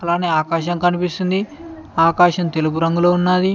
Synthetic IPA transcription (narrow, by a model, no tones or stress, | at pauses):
kɐlaːneːaːkaːʃ̬ɐmkɐnipist̪und̪iaːkaːʃɐnt̪eluɡuɾɐŋɡuloːunːaːd̪i